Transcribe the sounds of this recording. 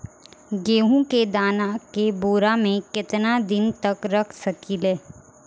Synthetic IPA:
ɡeːɦũked̪aːnakeboːɾamẽkɪt̪nad̪ɪnt̪ɐkɾɐkʰsɐkileː

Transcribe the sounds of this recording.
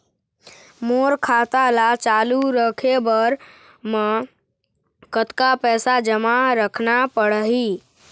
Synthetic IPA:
moɾkʰat̪alat͡ʃaluɾəkʰebəɾ | me | kət̪kapɛːsad͡ʒəmaɾəkʰnapəɽɦi

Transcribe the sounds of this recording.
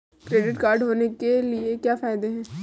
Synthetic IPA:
kɾeːɖɪʈkaːɾɖɦoːnekeliekjaːfaːjɪd̪eɦɛ̃ː

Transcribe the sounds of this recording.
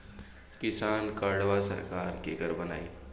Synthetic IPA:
kɪsaːnkaɽʋasɐ̰ɾkaːɾkeɡɐɾbɐna̰ːḭː

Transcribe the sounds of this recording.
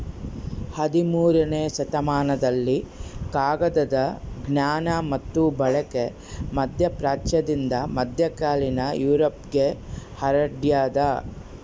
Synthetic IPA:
hɐd̪imuːɾɐneːsɐt̪ɐmaːnɐd̪ɐlːikaːɡɐd̪ɐd̪ɐɡnjaːnɐmɐt̪ːubɐɭɐke | mɐd̪ʱjɐpɾaːt͡ʃjɐd̪ind̪ɐmɐd̪ʱjɐkaːlinɐjuːɾɐpɡehɐɾɐɖjaːd̪ɐ

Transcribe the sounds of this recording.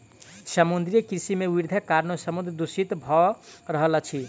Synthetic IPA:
səmund̪ɾijəkɾsimewiɾd̪ʱəkaɾnosəmund̪ɾd̪usit̪bʱɔɾəɦlət͡ʃʰi

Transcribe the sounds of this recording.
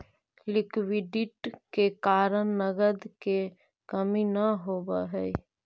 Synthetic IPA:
lɪkwɪɖɪʈkekaːɾənnəɡəd̪ke | kəminəɦoːbaɦɛi

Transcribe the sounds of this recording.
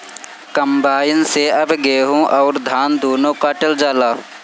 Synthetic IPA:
kɐmbaːjɪnseɐbɡeːɦõʔɔːɾd̪ʱaːnd̪oːnõːkaʈɐld͡ʒaːlaː

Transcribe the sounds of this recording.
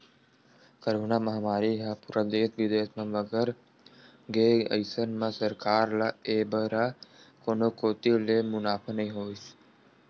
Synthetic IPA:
kəɾoːnaːmɐɦmaːɾiɦapuːɾad̪eːsʋɪd̪eːsmẽʋəɡəɾ | ɡeːə̰ɪsənmãsəɾkaːɾlaeːbəɾakoːnokoːt̪ilemʊnaːpʰnɐĩɦoːis

